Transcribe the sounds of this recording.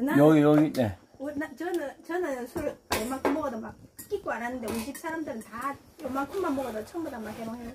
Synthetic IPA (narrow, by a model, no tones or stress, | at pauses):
najʌɡijʌɡine | unat͡ɕʌnɯnt͡ɕʌnɯnsʰuɾjʌɭmaŋkʰɯmʌɡʌdomak̚k͈ik͈oaɾanːɯnde̞oɕip̚s͈ʰaɾamdɯɾɯnta | jomaŋkʰuŋmanmʌɡʌdot͡ɕʰʌmbodamak̚kebʌŋɦenɯ